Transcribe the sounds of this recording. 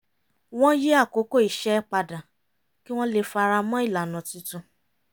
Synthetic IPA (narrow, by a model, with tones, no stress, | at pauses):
w̃ɔ̃˦je˦a˦˨ko˨˦ko˦˨i˨ʃɛ˦k͡pa˧dã˨ | ki˦w̃ɔ̃˦le˧˨fa˧ɾa˧mɔ̃˦i˦˨la˨nã˨tĩ˧˦tũ˧